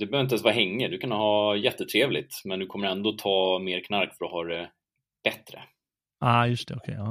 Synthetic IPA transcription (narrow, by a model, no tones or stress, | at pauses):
d̪ɛbəœhœvɪt̪ɛnsvɑːɦɛŋːəd̪ɵkʰanhɑːjɛt̪ːət̪ʰɾeːvlɪ̰t̪mɛnd̪ɵkʰɔmːəɾɛnd̪oːt̪ʰɑːmeːɾkʰnaɾkfœɾɔɦɑːɾɛ | b̥ɛt̪ːɾə̰ | aːjɵst̪ʰɛɔkʰɛ̰jɑː